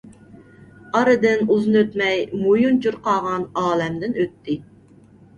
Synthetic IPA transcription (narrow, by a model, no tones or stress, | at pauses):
ɑɾɨd̪ɨnuznøt̪mɛjmujunt͡ʃʰuɾqɑːʁɑnɑːlɛmd̪ɪnøt̪ʰːɪ